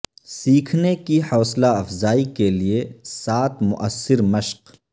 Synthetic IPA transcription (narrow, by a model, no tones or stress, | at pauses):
siːkʰnekihɔːslaɐfzaːikeliesaːt̪ʰmʊ̰ʔə̰sːɪɾmɐʃq